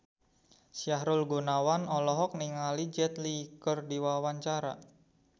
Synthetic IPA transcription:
siaɦɾʊlɡunawanɔlɔɦɔk̚niŋalid͡ʒɛt̪likɔrdiwawaɲt͡ʃaɾa̰

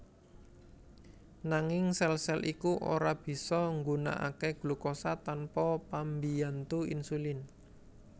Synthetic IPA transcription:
naŋɪŋsɛlsɛlʔikuʔo̰ɾab̥i̤sɔŋɡuna̰ʔa̰keɡ̥lukɔsat̪anpɔpambijant̪uḭnsulɪn

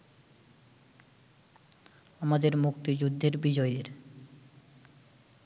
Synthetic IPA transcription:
amad̪eɾmuk̚t̪id͡ʑud̪ʱːeɾbid͡ʑɔedeɾ

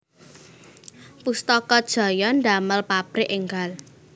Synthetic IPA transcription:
pust̪ɔkɔd̥ʒ̥a̤jɔnd̪a̤məlpapɾɪʔɪŋɡal

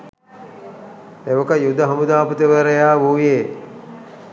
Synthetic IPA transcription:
eʋəkəjud̪ɐɦɐmud̪aːput̪eʋəɾejaːʋuːjeː

